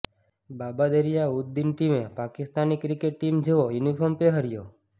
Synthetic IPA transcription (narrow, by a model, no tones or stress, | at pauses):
babad̪eɾijaud̪̚d̪inʈimẽpakɪst̪anikɾikeʈːimd͡ʒeʋojunipʰɔɾmpeɦəɾjo